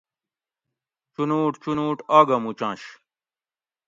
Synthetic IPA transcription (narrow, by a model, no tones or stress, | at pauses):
t͡ɕunuːʈt͡ɕunuːʈaːɡɐmut͡ɕãːɕ